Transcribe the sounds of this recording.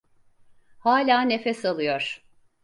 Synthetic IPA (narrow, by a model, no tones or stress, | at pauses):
haːlʲaːne̞fɛsalˠɯjoɾ̥